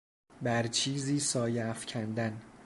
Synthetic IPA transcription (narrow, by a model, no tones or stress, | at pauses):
bæɾt͡ʃʰiːziːsɒːjeːfcʰænd̪æn